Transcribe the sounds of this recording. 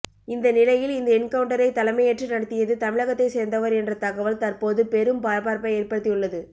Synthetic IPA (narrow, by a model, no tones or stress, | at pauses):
ɪnd̪ɐnɪlɐjɪlɪnd̪ɐɪnkɐʋɯɳʈɐɾɐɪt̪ɐlɐɪmɐjɛʈrinɐɽɐt̪ːɪjɐðɯt̪ɐmɪɭɐɣɐt̪ːɐɪseːɾnd̪ɐʋɐɾɛndrɐt̪ɐɣɐʋɐlt̪ɐrpoːðɯpɛɾɯmpaːɾɐpaːɾpɐeːɾpɐɽɯt̪ːɪjɯɭːɐðɯ